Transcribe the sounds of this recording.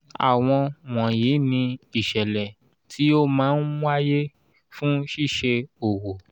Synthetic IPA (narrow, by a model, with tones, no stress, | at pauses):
a̰˨w̃ɔ̃˧w̃ɔ̃˨je˨˦nĩ˧i˨ʃɛ˨lɛ˨ | tʰi˨˦o˦mãː˨˦n̩˦wa˦je˦ | fũ˦ʃi˦˨ʃe˧o˨wo˨